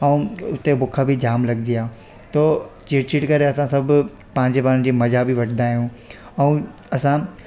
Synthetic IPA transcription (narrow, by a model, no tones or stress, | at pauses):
ɐ̃ũʊt̪ebʊkʰabʱid͡ʑaːmlɐɡd̪ijãː | t̪oːt͡ɕɪːʈt͡ɕiʈkɐɾeɐsãsɐbʱʊ | pãːɲd͡ʑebaːnd͡ʑiːmɐzʱabʱiʋɐʈʰnd̪aːɦijũː | ɐũ | ɐsã